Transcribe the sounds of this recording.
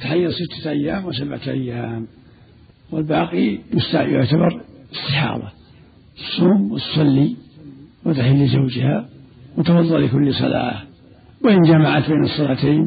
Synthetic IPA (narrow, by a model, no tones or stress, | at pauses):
t̪aħajːɑsɪt̪ʰːḁʔajːaːmwɪsabʕa̰ʔa̰jːaːm | wɪlbaːqij̪ʊst̪a̰ʕjʊʕt̪abɑɾˤɪst̪ɪħɑ̰ːðˤɑ | ʔsˤːuːmwɪt̪ʊ̥sˤɑlːi | wɪt̪aħɪlːɪzawd͡ʒɪha | wɪt̪awɑðˤːɑllɪkʊlːsˤɑ̰la̰ː | wɪʔɪnd͡ʒamaʕat̪beːnɨsˤːɑlaːt̪eːn